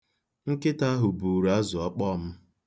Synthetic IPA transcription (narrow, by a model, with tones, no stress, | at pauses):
ŋ̩˦kɪ˦ta˦ɦʊ˨bu˨ɾa˦zʊ˨ɔ˦k͡pɔ˦˨m̩˦